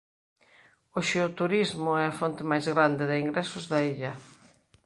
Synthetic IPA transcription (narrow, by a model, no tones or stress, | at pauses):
oʃeʊt̪uɾizmʊɛafont̪ɪmajzɣɾand̪ɪðɪiŋɡɾɛsʊzðɐiʎɐ